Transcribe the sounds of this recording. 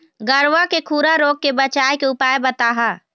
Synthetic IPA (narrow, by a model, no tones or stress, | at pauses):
ɡəɾʋakekʰuːɾaɾoːɡ̚kebət͡ʃaːjkeʊpaːebət̪aːɦaː